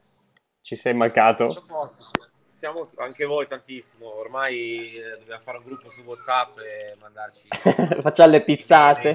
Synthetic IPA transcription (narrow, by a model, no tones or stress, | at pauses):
t͡ʃisɛjmaŋkːaːt̪oɔs | sjaːmosaŋkevojt̪ant̪isːimoːrmajd̪objamofaːɾeuŋɡɾupːosuwɔt̪sapːemand̪art͡ʃifat͡ʃːamlepit̪sːaːt̪e